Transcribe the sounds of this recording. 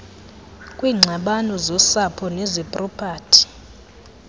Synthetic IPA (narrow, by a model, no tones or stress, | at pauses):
kʼwiːŋ͡ǀʱaɓanɔzɔsapʰɔnɛzɛpʼrɔpʰʼaːtʰi̥